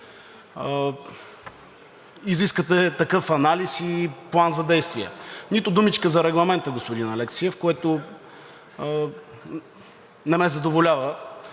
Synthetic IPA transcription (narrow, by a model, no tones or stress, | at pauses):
iziskət̪ɛt̪ɐkɤfɐnalisiplˠanzɐd̪ɛjst̪viɛ̰nit̪ʊd̪umit͡ʃkəzɐɾɛɡlˠɐmɛnt̪əɡospod̪inɐlɛksiəfkoɛt̪ʊ | nɛmɛzɐd̪ovolʲavə